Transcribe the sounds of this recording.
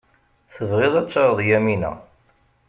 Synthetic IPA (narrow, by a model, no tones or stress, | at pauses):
θəvʁɪðˤæt͡sːɑɾˤðˤjæminæ̰